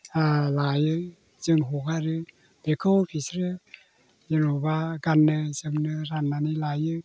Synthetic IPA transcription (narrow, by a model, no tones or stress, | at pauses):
alajɯ | zɯŋɦukʰaɾɯ | b̥ekʰɯwpʰisɾɯ | jɯnɔbaɡanːɯzɯŋnɯɾanːanilajɯ